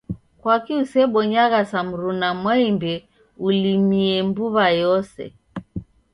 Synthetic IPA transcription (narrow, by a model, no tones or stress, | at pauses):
kwakiusɛɓɔɲaɣasam̩ɾunamwaimbɛ | ulimiɛmbuβajɔsɛ̰